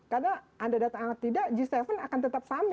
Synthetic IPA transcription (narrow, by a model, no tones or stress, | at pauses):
karnaʔandadat̪aŋaŋat̪ːidaʔd͡ʒist̪efənakant̪ət̪ap̚sam